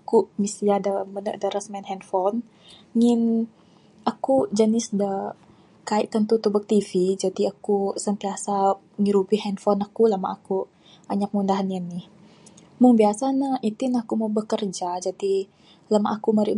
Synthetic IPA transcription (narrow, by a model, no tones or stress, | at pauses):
akuʔmisiadamədə̰ʔdəɾasmɛnhɛnfɔn | ŋɪn | akud͡ʒənɪsdə | kaiʔt̪ənt̪ut̪ubək̚t̪ifid͡ʒadiakusənt̪iasa | əŋiɾupihɛnfɔnakulama̰ʔaku | aɲak̚mundaɦananɪh | muŋbiasanahit̪ɪnakumawbəkərd͡ʒad͡ʒadi | lamaʔakumaɾḭʔ